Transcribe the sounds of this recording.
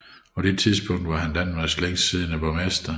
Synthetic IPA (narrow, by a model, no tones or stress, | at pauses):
pʰɒ̽d̥e̝t͡sʰiðˠsb̥ɔ̽ŋ̰d̥ʋɑ̈ɦænd̥ænmɑsleŋ̰sːiðˠnæb̥ɒ̽mesd̥ɐ